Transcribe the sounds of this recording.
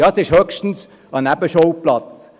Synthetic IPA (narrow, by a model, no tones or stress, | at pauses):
jɑːsɪʃhœkʃtn̩s | ɑnæbəʃoʊplɑt͡s